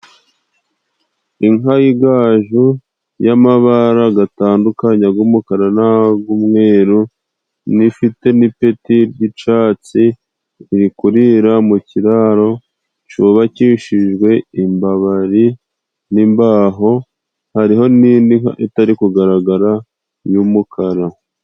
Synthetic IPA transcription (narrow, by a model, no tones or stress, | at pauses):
iŋaiɡaːʒu | jamaβaɾaɡataːndukaɲaɡumukaɾanaɡumŋe̞ːɾu | nifite̞nipe̞tiɾɟit͡ʃaːt͡siː | ɾikuɾiɾamuciɾaːɾo̞ | t͡ʃuβaciʃiʒɡwe̞imbaβaɾi | nimbaːɦo̞ | haɾiɦo̞niːndiŋaʔitaɾikuɡaɾaɡaɾa | juːmukʰaɾa